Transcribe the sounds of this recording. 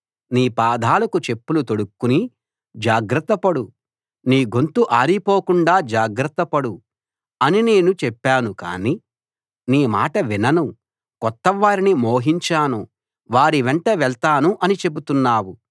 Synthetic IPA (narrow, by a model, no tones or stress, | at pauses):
niːpaːd̪ʱaːlɐkut͡ʃe̞pːulut̪oɽukːuni | d͡ʒaːɡɾɐt̪ːɐpɐɽu | niːɡont̪uʔaːɾipoːkuɳɖaːd͡ʒaːɡɾɐt̪ːɐpɐɽu | ɐnine̞ːnut͡ʃɛpːaːnuka̰ːni | niːma̰ːʈɐʋinɐnu | kɔt̪ːɐʋaːɾinimoːɦiɲt͡ʃaːnu | ʋaːɾiʋeɳʈeʋɛɭt̪aːnuʔɐnit͡ʃe̞but̪unːaːwu